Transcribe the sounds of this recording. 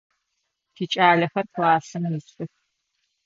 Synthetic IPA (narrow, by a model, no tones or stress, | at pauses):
tʰiːt͡ʃʼaːɮɐxɐrtʰlaːsɨmjisʼɨx